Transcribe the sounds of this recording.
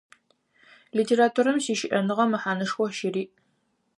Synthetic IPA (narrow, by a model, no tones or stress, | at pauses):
liːtʰeːɾaːtʰuɾɐmsiːʃɪʔɐnɨʁɐmɨħaːnɐʂxʷɔʃɪɾiːʔ